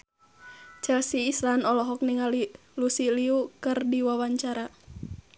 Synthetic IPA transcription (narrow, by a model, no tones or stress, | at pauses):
t͡ʃɛlsiːslanɔlɔɦɔk̚niŋali | lusiliukɨrdiwawaɲt͡ʃaɾa